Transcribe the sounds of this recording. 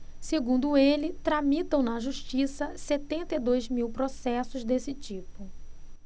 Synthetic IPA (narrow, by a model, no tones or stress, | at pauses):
seɡũnd̪ʊelɪt̪ɾamit̪ɐ̃w̃nɐʒuʃt͡ʃisɐset̪ẽnt̪eid̪ojzmiwpɾosɛsʊzd̪esɪt͡ʃipʊ